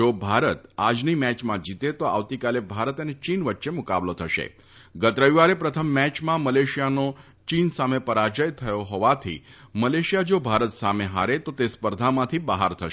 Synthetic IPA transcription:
d͡ʒobʱaɾət̪ad͡ʒnimɛt͡ʃmãd͡ʒit̪et̪oa̰ʋt̪ikalebʱaɾət̪ənet͡ʃinʋəʈːʃemʊka̰blot̪ʰəʃḛ | ɡət̪ɾəʋiʋaɾepɾət̪ʰəmːɛt͡ʃmãməleʃijano | t͡ʃinsamepəɾad͡ʒəjt̪ʰəjoɦɔʋat̪ʰḭməleʃijad͡ʒobʱaɾət̪sameɦa̰ɾet̪ot̪espəɾd̪ʱamãt̪ʰibəɦaɾt̪ʰəʃ

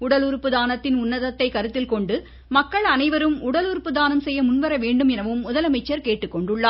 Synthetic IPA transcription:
ʊɽɐlʊɾpːɯðaːnɐt̪ːɪnʊnːɐðɐt̪ːɐɪkɐɾɯt̪ːɪlkɔɳɖɯ | mɐkːɐɭɐnɐɪʋɐɾɯmʊɽɐlʊɾpːɯðaːnɐmsɛjːɐmʊnʋɐɾɐʋeːɳɖɯmɛnɐʋɯmʊðɐlɐmɐɪt͡ʃːɐɾkeːʈːɯkːɔɳɖɯɭːaː

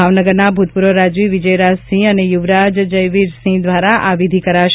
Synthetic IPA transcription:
aʋnəɡəɾnabʱut̪̚puɾʋəɾad͡ʒʋiʋid͡ʒəjɾasĩənejuʋɾad͡ʒd͡ʒəjʋiɾsĩd̪ʋaɾaʔaʋid̪ʱikəɾaʃ

